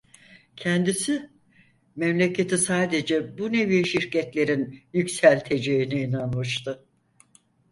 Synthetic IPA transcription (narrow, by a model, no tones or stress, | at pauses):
cʰɛnd̪isi | mɛmlʲecʰe̞t̪ʰisaːd̪e̞d͡ʒɛbune̞viʃiɾcɛt̪lʲe̞ɾinjycsælʲt̪ʰe̞d͡ʒeiniinanmɯʃt̪ʰɯ